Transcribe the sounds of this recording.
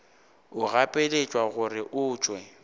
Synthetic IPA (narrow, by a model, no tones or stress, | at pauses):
ʊɣapʼelet͡ʃʼwaɣʊrɪʔʊːt͡ʃʼwɛ